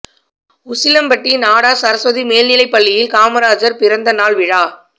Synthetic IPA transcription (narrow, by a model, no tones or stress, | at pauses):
ʊsɪlɐmpɐʈːinaːɽaːsɐɾɐsʋɐðimeːlnɪlɐɪpːɐɭːɪjɪlkaːmɐɾaːd͡ʒɐɾpɪɾɐnd̪ɐnaːɭʋɪɻaː